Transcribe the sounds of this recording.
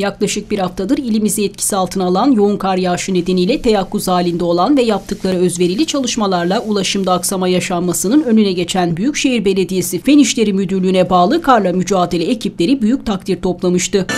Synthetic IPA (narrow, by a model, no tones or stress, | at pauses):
jaklˠaʃɯk̚biɾhaft̪ʰad̪ɯɾilʲimizɛɛt̪̚cʰi̥sialˠt̪ʰɯnalˠanjo̞unkʰaɾjaːʃɯne̞d̪e̞nijlʲɛt̪ʰejakʰːuzaːlʲind̪ɛo̞lˠanvɛjap̚t̪ʰɯklˠaɾaø̞zve̞ɾilʲit͡ʃʰalˠɯʃmalˠaɾlˠaulˠaʃɯmd̪aːksamajaʃammasɯnɯnø̞nynɛɟe̞t͡ʃʰænbyjycʃe̞jiɾbe̞lʲe̞d̪ije̞sifeniʃlʲe̞ɾimyd̪yɾlʲyːnɛbaːlˠɯkʰaɾlˠamyd͡ʒaːd̪e̞lʲɛecʰiplʲe̞ɾibyjyc̚t̪ʰak̚t̪ʰiɾt̪ʰo̞plˠamɯʃt̪ɯ